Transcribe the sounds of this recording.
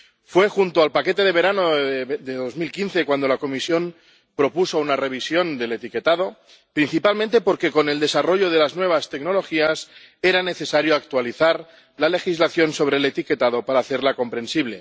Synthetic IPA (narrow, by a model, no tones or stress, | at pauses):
fwe̞xunt̪oalpake̞t̪e̞ð̞e̞βe̞ɾanod̪eðo̞zmilkinθe̞kwand̪o̞lako̞misjo̞m | pɾo̞puso̞unare̞β̞isjo̞nd̪e̞let̪ike̞t̪aðo̞ | pɾinθipalmẽnt̪epo̞ɾke̞ko̞ne̞ld̪e̞saro̞ʝo̞ðe̞laznwe̞βast̪e̞kno̞lo̞xias | e̞ɾane̞θe̞saɾjoak̚t̪waliθaɾ | lale̞xizlaθjo̞nso̞βɾeːle̞t̪ike̞t̪aðo̞paɾaːθe̞ɾlako̞mpɾe̞nsiβle̞